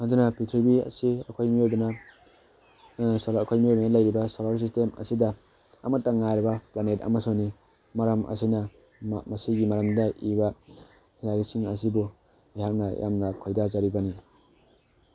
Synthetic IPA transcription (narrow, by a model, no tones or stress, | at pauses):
handunapʰitʰɾibiɐ̰sia̰kʰojmiojdana | solkʰojmiojbalajɾibasolaɾs̬istemɐ̰sidaː | matːaŋajɾibaplaneta̰masoni | maɾɐmʔɐ̰sina | masiɡimaɾɐmdaʔiba | naɾisiŋɐs̬ibu | ihak̚najʔa̰mnakʰojdazaɾibani